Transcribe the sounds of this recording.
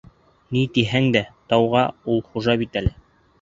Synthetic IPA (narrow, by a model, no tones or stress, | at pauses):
nit̪iɦæŋd̪æt̪ɑwʁɑulˠχuʒɑβit̪ælɘ